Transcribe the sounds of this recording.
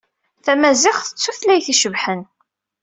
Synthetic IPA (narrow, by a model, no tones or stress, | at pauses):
θæmæzɪχθə̥t͡sːuθlæjθiʃəvħən